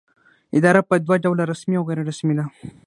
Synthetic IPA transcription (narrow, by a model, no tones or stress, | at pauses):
ɪd̪ɑɾapəd̪waɖawlaɾasmiawɣeɾaɾasmid̪a